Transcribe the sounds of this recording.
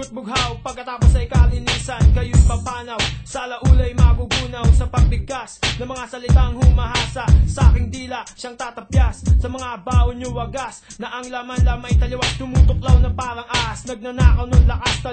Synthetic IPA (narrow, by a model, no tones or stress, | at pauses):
ʊt̪̚bʊɡɦawpɐɡ̚kɐt̪aːposɐʔjkaʔɐlɪniːsɐnkɐjojbɐpaːnɐwsɐʔɐlɐʔuːlɐjmaɡuɡuːnɐwsɐpɐɡ̚bɪɡ̚kasnɐmɐŋasɐlɪt̪aɐŋhʊmɐhaːsɐsɐʔaːkɪŋd̪iːlɐʃaŋt̪aːt̪ɐpjasːɐmɐŋaʔɐbaːhoɲʊwɐɡas | nɐʔɐŋlamanlamɐjt̪ɐlɐwaŋt̪ʊmuːt̪ok̚lawnɐpaːɾɐŋaʔasnɐɡ̚nɐnaːkɐwnoŋlɐkast̪ɐ